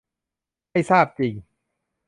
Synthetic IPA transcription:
jsaː˥˩p̚t͡ɕi˨˩ŋ

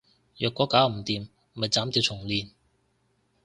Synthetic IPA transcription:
jœː˨kːɔː˨˥kaː˨˥wm̩˨˩t̪iː˨m | m̩˨hɐ˨jt͡saː˨˥mt̪iː˧wt͡sʰʊ˨˩ŋliː˨˧n

